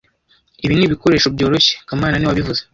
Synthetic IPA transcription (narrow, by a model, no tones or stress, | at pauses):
iβiniβiko̞ɾe̞ːʃubɟo̞ːɾo̞çe̥kamaːnaniwaβivuze